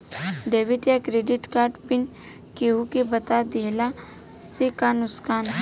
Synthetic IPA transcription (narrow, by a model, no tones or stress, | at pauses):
ɖeːʋɪʈjakɾeːɖɪʈkaːɾɖpɪn | keɦukebɐt̪ad̪eːla | sekanʊskaːn